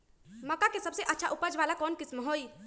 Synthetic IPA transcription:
mɐkakesɐbseʔɐtːʃʰaʔʊpəd͡ʒʋaːlakɔːnkɪsmɦoːiː

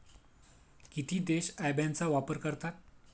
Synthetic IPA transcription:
kit̪ʰiːd̪eɕajbʱjant͡saʋapəɾkəɾt̪at̪̚

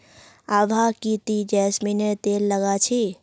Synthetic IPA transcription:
aʋʱakit̪id͡ʒɛːsminet̪eːlːəɡat͡ʃʰi

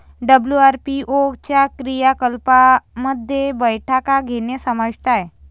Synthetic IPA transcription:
ɖəbljuaɾpiʔoɡt͡ɕjakɾijakəlpaməd̪ʱːjebəjʈʰakaɡʱenesəmət̪aj

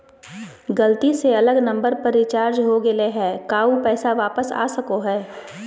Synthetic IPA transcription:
ɡɐlt̪iseɐləɡnɐ̃mbəɾpɐɾɪt͡ʃaːɾd͡ʒɦoɡɪleɦɛːkaːupɛːsaʋaːpəsa̰ːsɐkoɦɛː

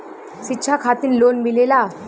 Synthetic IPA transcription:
ɕitːɕʰakʰat̪iːnlonmilela

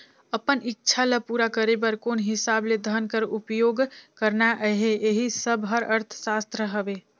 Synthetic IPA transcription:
əpənitːʃʰaləpuɾakəɾebəɾkonɦɪsabled̪ʱənkəɾupjoːɡkəɾnaʔəɦeeɦisəbɦəɾəɾt̪ʰsast̪ɾəɦəbe

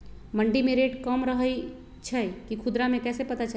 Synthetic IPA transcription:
məɳɖimeɾeʈkəmɾəɦəj | t͡ʃʰəjkikʰud̪ɾamekɛsepət̪at͡ʃa

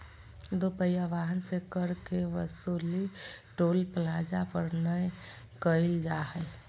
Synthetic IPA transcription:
d̪opəjaʋaɦənsekəɾkeʋəsuliʈolpəlad͡ʒapəɾnəj | kəɪld͡ʒaɦəj

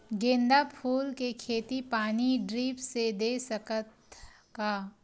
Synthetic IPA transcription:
ɡẽːnd̪apʰuːlkekʰeːt̪ipaːniɖɾiːpsed̪esəkət̪ka

